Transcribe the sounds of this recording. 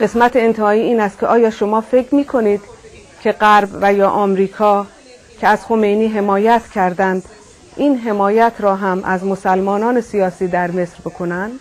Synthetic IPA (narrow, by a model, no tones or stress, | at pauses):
ɢ̥e̞smæt̪ʰeent̪ʰehɒːiːiːnæst̪̚kʰeʔɒːjɒːʃomɒːfe̞kʰɾmiːkʰo̞niːd̪̥ | cʰe̞ɢæɾbvæjɒːʔɒːmɾiːkʰɒː | cʰeæzxo̞me̞jniːɦe̞mɒːjæt̪ʰcʰæɾd̪ænd̪ | iːnɦe̞mɒːjæt̪ʰɾɒːɦæmʔæzmo̞sælmɒːnɒːne̞sijɒːsiːd̪æɾme̞sɾbe̞kʰo̞nænd̪̥